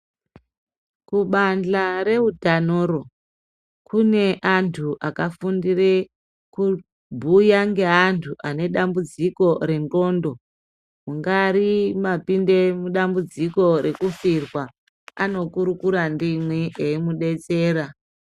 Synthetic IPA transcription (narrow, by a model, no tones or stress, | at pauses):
kuɓand͡ɮaɾe̞udʱanoːro̞ | kune̞ʔantʰuʔakafundire | ku | bʱujaŋɡe̞ɦantʰuʔane̞ɗambud͡ziko̞ɾe̞nro̞ːndo̞ | muŋɡaɾimapinde̞muɗambud͡ziko̞ɾe̞kufirwa | ano̞kuɾukuɾandimweeimuɗe̞t͡se̞ːɾa